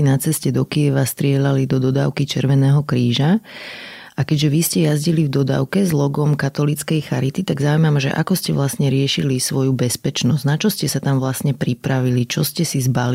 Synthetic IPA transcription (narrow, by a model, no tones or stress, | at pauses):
inat͡sɛscɛd̪ɔkijɛʋast̪ɾɪɛʎalid̪ɔd̪ɔd̪a̰ːʊkit͡ʃɛɾʋɛnɛːɦɔkɾiːʒa | ʔakɛɟʒɛʋiscɛjazɟilivd̪ɔd̪a̰ːʊkɛzlɔɡɔmkat̪ɔlit͡skɛjxaɾit̪it̪aɡzauimamʒɛ̰ʔa̰kɔscɛʋlasɲɛɾɪɛʃilisʋɔjubɛspɛt͡ʃnɔzɟnat͡ʃɔscɛsat̪amʋlasɲɛpɾipɾaʋilit͡ʃɔscɛsizbali